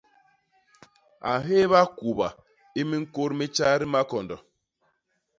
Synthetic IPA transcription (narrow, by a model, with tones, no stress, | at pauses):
a̰˨ɦe˦βa˦ku˨ba˨ | i˦mi˦ŋ̩˦ko˦ɾmi˦t͡ʃa˦ɾi˦ma˦kɔ˨ndɔ˨